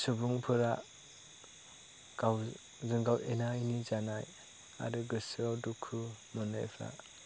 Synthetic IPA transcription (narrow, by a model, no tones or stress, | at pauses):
subuŋpʰɯɾa | ɡ̥aw | zɯŋɡawenajnizanaj | a̰ɾɯɡɯsawdukʰumɔna̰jpʰa̰